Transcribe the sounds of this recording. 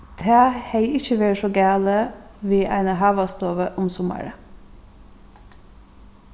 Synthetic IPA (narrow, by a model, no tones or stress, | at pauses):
d̪̥æːheɪɪçəʋeːɹʃɔːɡæːləʋiːʔæ̰ɪnəhɑːʋɑst̪oːʋəʔʊmsʊmə̰ɹə